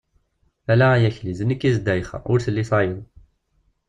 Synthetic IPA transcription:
ælææjæçlizənəkːizd̪æjχə̰ʊɾθəlːisˤɑjəðˤ

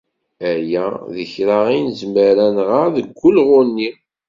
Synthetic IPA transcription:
æjæðəçɾaʁinzməɾænʁaʁðəɡʷːʊlʁʊnːi

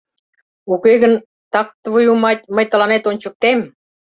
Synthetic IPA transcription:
ukeɣən | t̪ɑk̚t̪əβəjumɑt̪̚ʲməjt̪ə̆lɑnet̪onʲt͡ɕə̆k̚t̪em

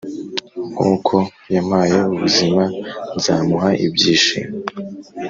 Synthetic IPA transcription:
ŋṵːkʰo̞ | jamhajeuβṵzimanzaːmuɦaʔḭbɟiːʃḭm

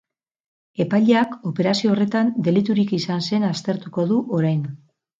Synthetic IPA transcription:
e̞paʎeako̞pe̞ɾasio̞ːre̞t̪and̪e̞lit̪uɾikisanse̞nast̪e̞ɾt̪uko̞ðuʔo̞ɾajn

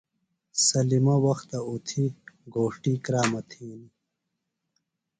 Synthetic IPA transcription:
sɐlimɐwɐxt̪ɐut̪ʰiɡoːʂʈikɾaːmɐt̪ʰiːni

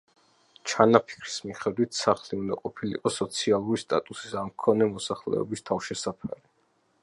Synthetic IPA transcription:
t͡ʃʰanapʰi̥kʰɾi̥smiχɛd̪wit̪ʰsaχliund̪aqʼɔpʰilḭqʼɔsɔt̪sʰialˠuɾist̪ʼa̰t̪ʼusi̥samkʰɔnɛmɔsaχlɛ̰ɔ̰bist̪ʰafʃɛsapʰa̰ɾi

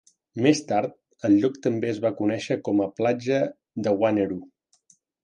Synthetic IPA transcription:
mest̪aɾt̪̚ | əlˠʎɔkt̪əmbeəzβakunɛʃəkɔməplad͡ʒə | ðəwaneɾu

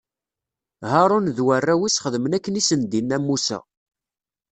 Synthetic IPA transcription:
haɾˤunðwərːæwisχəðəmənækːənisənd̪inːæmːusæ̰

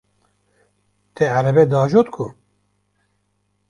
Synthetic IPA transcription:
t̪ɛʕæɾɛbɛd̪ɑːʒot̪kʰu

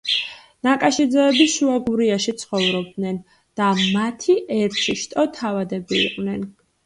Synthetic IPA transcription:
nakʼaʃid̪zɛɛbiʃuaɡuɾiaʃit̪sʰχɔvɾɔb̚d̪nɛn | d̪̥amat̪ʰiʔɛɾt͡ʃʰiʃt̪ʼɔt̪ʰavad̪ɛbḭːqʼvnɛn

